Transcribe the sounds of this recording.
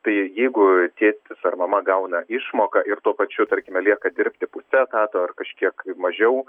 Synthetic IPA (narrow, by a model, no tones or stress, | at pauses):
t̪ɐɪjɛɪɡʊt̪ʲeːt̪ʲɪsɐrmɐmɐɡɐʊnɐʔɪʃmoːkɐʔɪɾt̪uɔpɐt͡ʃʲʊt̪ɐɾʲkʲɪmʲɛlʲiɛkɐd̪ʲɪɾʲpʲt̪ʲɪpʊsʲɛt̪ɑːt̪oːɐrkɐʃʲkʲiɛkmɐʒʲɛʊ